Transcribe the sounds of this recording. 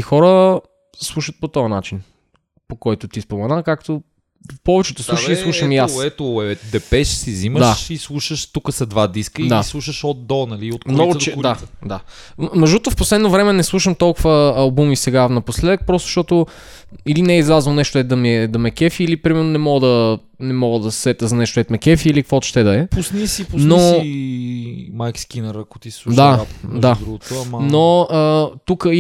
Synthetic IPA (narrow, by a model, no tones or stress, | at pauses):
ixɔɾə | slˠuʃət̪̚pot̪ɔjəna̰t͡ʃin | pokɔjt̪ʊt̪ispomɛnakakt̪o | pɔvɛt͡ʃɛt̪ʊsluʃilˠuʃəmijasɛt̪oɛd̪ɛpɛʃsiziməd̪ʃaislˠuʃəʃt̪ukəsɐd̪vad̪iskəid̪aislˠuʃəʃod̪ɔnɐliot̪̚kmmnɔɡʊt͡ʃ̪ɛd̪ad̪a | mɐʒut̪ofposlɛd̪novɾɛmɛnɛslˠuʃəmt̪ɔlˠkʊvəɐlˠbumisɛɡanɐposlɛd̪ək̚pɾɔst̪ʊ̥ʃt̪ɔt̪ʊ | ilinɛizlazvonɛʃt̪ʊɛt̪d̪ɐmiɛd̪ɐmɛkɛfiːlipɾimɛɾnonɛmɔɡəd̪ɐ | nɛmɔɡəd̪ɐssɛt̪əzɐnɛʃt̪oɛt̪mɛkɛfiːlikəkvɔt̪ʃt̪ɛd̪ɐɛpʊsnisipʊsno | majkskʲinəɾɐko̥t̪ilˠud̪aad̪ɾuɡoɐmnoət̪ukəi